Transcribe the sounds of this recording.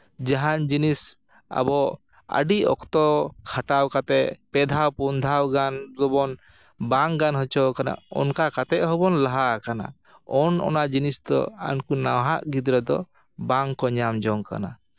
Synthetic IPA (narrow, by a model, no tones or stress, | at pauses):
d͡ʒaɦand͡ʒinis | a̰bɔ | a̰ɖiɔ̰kt̪ɔkʰaʈawkat̪ɛpɛd̪ʱawpund̪ʱawɡanɡɔbɔn | baŋɡanɦɔt͡ʃɔkana̰ɔ̰nkakat̪ɛʔɦɔbɔnlaɦakana̰ | ɔnɔ̰nad͡ʒinisd̪ɔ̰a̰nkunawɦaʔɡid̪ɾɔd̪ɔ | baŋkɔɲamd͡ʒɔŋka̰na̰